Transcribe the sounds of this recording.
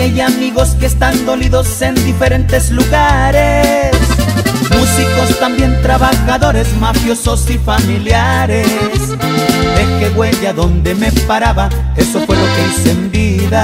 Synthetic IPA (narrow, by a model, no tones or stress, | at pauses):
ejamiɣo̞ske̞ːst̪and̪o̞liðo̞se̞nd̪ife̞ɾe̞nt̪e̞zluɣaɾe̞smusiko̞st̪ambje̞nt̪ɾaβaxaðo̞ɾe̞zmafjo̞so̞sifamiljaɾe̞s | be̞ke̞ɣwe̞ʎaðo̞nd̪e̞me̞paɾaβa | e̞so̞fwe̞lo̞kese̞nd̪iða